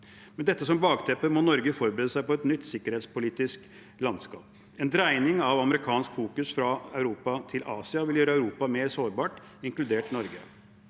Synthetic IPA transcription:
mɛnd̪ɛt̪ːəsɔmbɑːɡt̪ʰɛpəmɔnɔɾɡəfɔɾbɾeːd̪əsæɪpɔɛt̪nʏt̪ːsɪkːəɾeːt̪spʊliːt̪ɪsk | lɑnd̪skɑːp | ɛnd̪ɾæɪnɪŋɑʋɑməɾɪkʰɑːnskfuːkʉsfɾɑæʉɾuːpɑt̪ʰɪlʔɑːsɪɑʋɪljøːɾəæʉɾuːpɑmeːɾsoːɾbɑːʈ | ɪŋklʉd̪eːʈnɔɾɡə̰

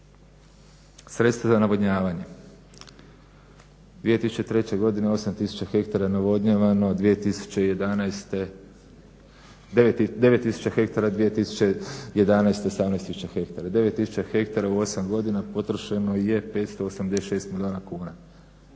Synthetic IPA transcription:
sɾe̞t̪st̪ʋazanaʋod̪ɲaːʋaɲe̞ | d̪ʋijet̪isu̥t͡ɕet̪ɾe̞t͡ɕe̞ɡo̞d̪ineo̞samt̪isu̥t͡ɕaxe̞kt̪aɾanaʋo̞d̪ɲaʋano̞d̪ʋijet̪isu̥t͡ɕejed̪anst̪e | d̪e̞ʋe̞t̪ːisu̥t͡ɕaxe̞kt̪aɾad̪ʋije̞t̪isu̥t͡ɕeje̞d̪anajst̪eosamnest̪isu̥t͡ɕaxek̚t̪aɾad̪e̞ʋet̪ːisut͡ɕaxe̞kt̪aɾauo̞samɡo̞d̪inapo̞t̪ɾoʃeno̞je̞pe̞ːt̪st̪o̞osamd̪e̞sʃe̞ːst̪milio̞ːnakuːna

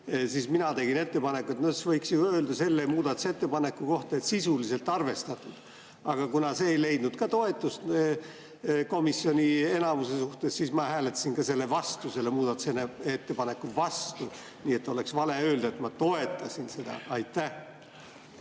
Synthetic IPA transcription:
siːsminɑt̪e̞ɡine̞t̪ːe̞pɑne̞kuet̪not̪svɤjksjuø̞ːld̪ɑse̞lːe̞muːd̪ɑt̪u̥set̪ːe̞pɑne̞kːˑuko̞ht̪ɑet̪sisulise̞lt̪ːˑɑrve̞st̪ɑt̪ːˑud̪̥ | ɑɡ̥ɑkunɑse̞ːejle̞jd̪̥nud̪̥kɑt̪o̞e̞t̪ːˑust̪ | ko̞misjo̞nʲie̞nɑmuse̞suht̪essiːsmɑhæːlet̪ːˑɑ̥sinkɑse̞lːe̞vɑst̪use̞lːemuːd̪ɑt̪u̥seneet̪ːe̞pɑne̞kːuvɑst̪u | niːe̞t̪ːo̞le̞ksvɑle̞ø̞ːld̪ɑet̪mɑt̪o̞e̞t̪ːˑɑsinse̞d̪̥ɑ̰ɑjt̪ːˑæh

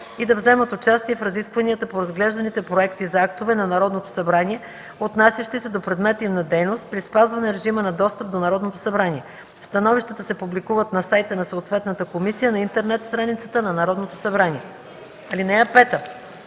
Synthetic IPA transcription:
id̪ɐvzɛmət̪ot͡ʃast̪iɛfɾɐziskvɐnijət̪əpoɾɐzɡlɛʒd̪ɐnit̪ɛpɾoɛkt̪izɐakt̪ovɛnɐnɐɾɔd̪not̪o̥sɐbɾaniɛ | ot̪nasʲjəʃt̪isɛd̪opɾɛd̪mɛt̪imnɐd̪ɛjnost̪̚pɾispazvɐnɛɾɛʒimənɐd̪ɔst̪əp̚d̪onɐɾɔd̪not̪o̥sɐbɾaniɛ | st̪ɐnɔviʃt̪ət̪əsɛpublikuvət̪nɐsajt̪ənɐsoot̪vɛt̪nət̪əkomisijənɐint̪ɛɾnɛt̪st̪ɾanit̪sə̥t̪ənɐnɐɾɔd̪not̪osɐbɾaniɛ | ɐlinɛɐpɛt̪ə

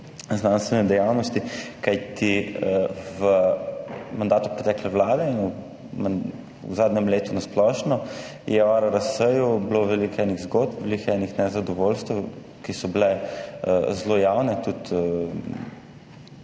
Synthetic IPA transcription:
znanst̪ʋɛnɛd̪ɛjawnɔst̪ikajt̪i | ʋə | mand̪aːt̪upɾɛt̪ɛːklɛʋlaːd̪ɛinu | ma | zaːd̪nɛmleːt̪unasplɔːʃnɔ | jɛwaɾaɾasəjubloʋɛlikɛniɣzɡod̪̚pʋelikɛnixnɛzad̪ɔʋolst̪ | kisɔblɛ | zlojawnɛt̪ut̪

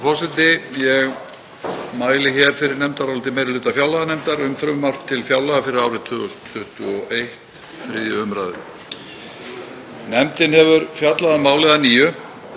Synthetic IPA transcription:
fɔɾsɛt̪ɪjɛɣ | maːjlɪçɛɾ̥fɪɾɪɾnɛmt̪aɾawlt̪ɪmeːjɾɪlʏːt̪afjawlaɣanɛmt̪aɾʏmfɾʏmmaft̪ʰːɪlfjawlaɣafɪɾɪɾawɾɪt̪ʰʏːɣʏsʰʏht̪ʏɔʔejht̪ | θɾɪ̰ːðjʏʏmɾa̰ːðɪ̰ | nɛmt̪ɪnhɛvʏɾfjat̪laðamaːwlɛɣðaniːjʏ

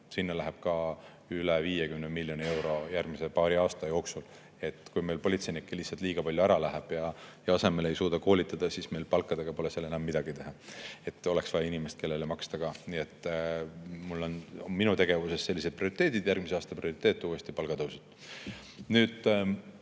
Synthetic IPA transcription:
sinːɑlæɦeb̥kɑ | yleviːjekymnemilʲːjo̞nie̞wɾo̞jærɡ̥mise̞pɑːɾiɑːst̪ɑjo̞ːksul | e̞t̪ːˑkujme̞jlpo̞lʲit̪se̞jnikːelisːɑlt̪ˑliːɡ̥ɑpɑlʲjuæɾɑlæɦeb̥jɑjɑɑse̞me̞le̞jsuːd̪ɑko̞ːlʲit̪ːˑɑd̪̥ɑsisme̞jlpɑlkːˑɑd̪eɡ̥ɑpo̞leselːenɑmːid̪̥ɑɡ̥it̪e̞ɦɑe̞t̪ːˑo̞le̞ksvɑjɑinʲimest̪̚kʰe̞lːelemɑkst̪ɑɡ̥ɑniet̪ː | mulːo̞nminut̪e̞ɡ̥e̞vuse̞sːe̞lːis̬ed̪̥̚priorit̪ːˑeːd̪̥id̪̥jærɡ̥̚miseɑːst̪ɑprio̞ɾit̪ːˑeːt̪ˑːuːe̞st̪ipɑlɡ̥ɑt̪ɤwset̪ːˑ | nyːd̪̥

